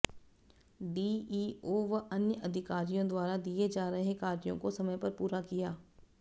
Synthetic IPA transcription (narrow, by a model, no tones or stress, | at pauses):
ɖiːiːoːʋɐʔɐnjəʔɐd̪ʱɪkaːɾijõd̪waːɾad̪ied͡ʒaːɾɐɦekaːɾjõ̰kosɐməjpɐɾpuːɾakijaː